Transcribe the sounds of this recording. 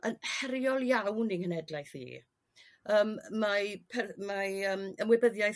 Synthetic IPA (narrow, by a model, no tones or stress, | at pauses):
ənhɛɾjɔlˠjawniŋhənɛdlajθḭː | əːmːapʰɛmaəːməmwɛbəðjajθ